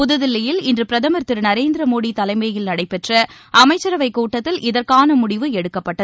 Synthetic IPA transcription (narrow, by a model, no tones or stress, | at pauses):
pʊðɯðɪlːɐjɪlɪndrɯpɪɾɐðɐmɐɾt̪ɪɾnɐɾeːnd̪ɪɾɐmoːɽit̪ɐlɐɪmɐjɪlnɐɽɐɪpɛʈrɐʔɐmɐɪt͡ʃːɐɾɐʋɐɪkuːʈːɐt̪ːɪlʔɪðɐɾkaːnɐmʊɽɪʋɯɛɽɯkːɐpːɐʈːɐð